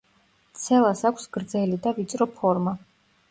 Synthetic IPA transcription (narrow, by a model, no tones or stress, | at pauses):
t̪sʰɛlˠasakʷʰsɡ̥ɾd̪zɛlid̪avit̪sʼɾɔpʰɔɾma